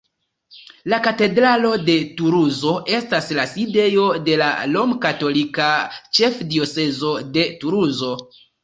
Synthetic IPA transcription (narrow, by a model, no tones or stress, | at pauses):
lakate̞dɾalo̞de̞tuɾuzo̞ʔe̞staslaside̞jo̞de̞la̰lo̞mkato̞likat͡ʃe̞fdio̞se̞zo̞de̞tuɾuzo̞